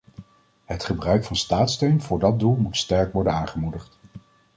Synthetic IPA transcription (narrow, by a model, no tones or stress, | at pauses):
ɦətχəbrœɥkfɑnstaːtstøɥnvʊːɹdɑd̚dulˠmutstɛɹkʋɔɹdənaːŋχəmudəχt